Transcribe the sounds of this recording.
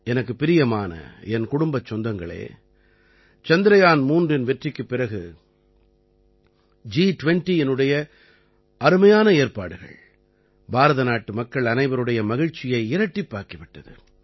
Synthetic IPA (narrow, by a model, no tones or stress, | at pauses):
ɛnɐk̬ːɯpɪɾɪjɐmaːnɐ̰ɛnkʊɽʊmbɐt͡ʃːɔnd̪ɐŋɡɐɭḛː | t͡ʃɐnd̪ɪɾɐjaːnmuːndrɪnʋɛʈrɪkːɯpːɪɾɐɣɯ | d͡ʒiːʈʊʋɛɳʈiɛnːɯɽɐjɐ | ɐɾɯmɐjaːnɐeːɾpaːɽɯɣɐ̰ɭ | bʱaːɾɐðɐnaːʈːɯmɐkːɐɭɐnɐɪʋɐɾɯɽɐjɐmɐɣɪɻt͡ʃːɪjɐɪɪɾɐʈːipːaːɾkɐʋɪʈːɐðɯ̰